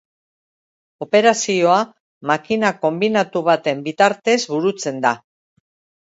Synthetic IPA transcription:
o̞pe̞ɾasio̞a | makinako̞mbinat̪uβ̞at̪e̞mbit̪aɾt̪e̞zβuɾut͡se̞nd̪a

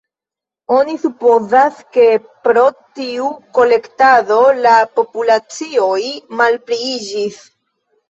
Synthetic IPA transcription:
o̞nisupo̞zaske̞ | pɾo̞tiuko̞le̞ktaðo̞lapo̞pulat͡sio̞jmalpliid͡ʒis

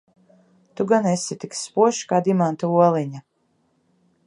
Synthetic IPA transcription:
t̪uɡanesit̪ikspuɔʃkaːd̪imant̪uuɔlˠiɲa

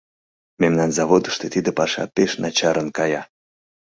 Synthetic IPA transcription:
memnɑnzɑβod̪əʃt̪et̪id̪epɑʃɑ̰peʃnʔɑt͡ɕɑɾənkɑjɑ

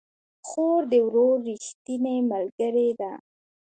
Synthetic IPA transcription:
xoɾd̪əwɾoɾːixt̪inemalɡəɾed̪a

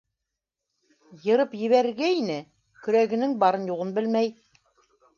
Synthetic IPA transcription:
jɤ̆ɾɤpjɘ̆βæɾɘ̆ɾɡæinɘ | kɵ̆ɾæɡɘ̆nɘŋbɑɾɤnjuʁɤnbɘlmæj

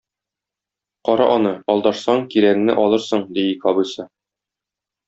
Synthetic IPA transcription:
qɒɾɑʔɒnɤɒlˠd̪ɑʃsɑɴkiɾæknɘ̰ʔɒlˠɤɾsɤɴd̪ijɘkɒbɤ̆jsɤ

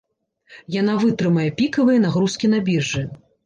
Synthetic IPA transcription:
janavɨt̪ɾɨmɐjɛpʲikɐvɨjɛnaɣɾuskʲinabʲirʐɨ

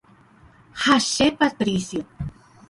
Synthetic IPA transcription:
haʃepat̪ɾisjo

